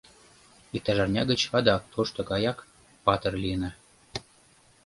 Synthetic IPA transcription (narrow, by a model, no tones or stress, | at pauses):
ik̚t̪ɑʒɑrnʲɑɡə̆t͡ɕɑd̪ɑk̚t̪ʰoʃt̪ɤ̆kɑjɑk | pɑt̪ɤrlinə̆